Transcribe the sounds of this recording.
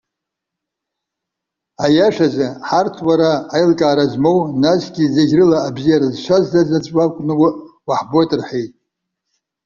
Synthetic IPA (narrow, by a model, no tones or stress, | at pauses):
ajaʂazaħartʰwaɾaːjlkʼaːɾazmo̞wnasɡʲizaɡʲrɨlaːbzijaɾazʃʷazzazat͡ʃʷʼwakʷʼnɨwɨʔwaħbotʼɨrħejtʼ